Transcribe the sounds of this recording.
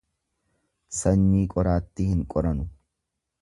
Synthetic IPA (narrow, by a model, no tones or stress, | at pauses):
sɐɲːiːkʼɔɾaːt̪ːɪhɪŋkʼɔɾɐnʊ